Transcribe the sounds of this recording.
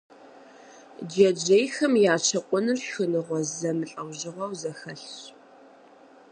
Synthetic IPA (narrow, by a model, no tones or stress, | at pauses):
d͡ʒɛd͡ʒejxɐmjaːt͡ʃʰɐqʷʼɔnɨrxɨnɨʁʷɔzɐmɨɬʼɐwʑɪʁɐwzɐxɐɬɕ